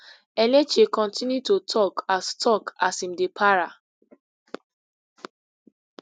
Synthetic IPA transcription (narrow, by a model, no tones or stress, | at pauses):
ɛnɛd͡ʒikɔ̃ntĩnjutotʰɔkastʰɔkasĩmdepʰaɹa